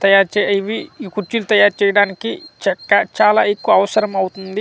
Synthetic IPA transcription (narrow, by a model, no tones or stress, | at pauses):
t̪ɐjaːɾt͡ʃɛiʋikuɾt͡ʃilut̪ɐjaːɾt͡ʃɛːjɐɽaːnikit͡ʃɛkːɐt͡ʃaːlaːekːuʋɐːʋɐsɐɾɐmɐwut̪und̪i